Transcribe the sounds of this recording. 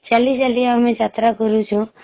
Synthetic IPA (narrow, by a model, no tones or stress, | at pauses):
t͡ʃalisaliaəmẽd͡ʒat̪ɾakəɾut͡ʃʰu